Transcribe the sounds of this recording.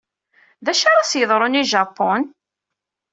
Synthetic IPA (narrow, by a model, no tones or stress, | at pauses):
ðæʃaɾˤɑsjəðˤɾˤʊniʒɑpːɔn